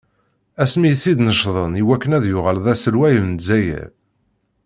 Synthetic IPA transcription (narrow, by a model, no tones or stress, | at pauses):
æsmijθid̪nəʃðˤəniwækːənæðjʊʁəlðæsəlwæjəlnzːæjæ̰ɾ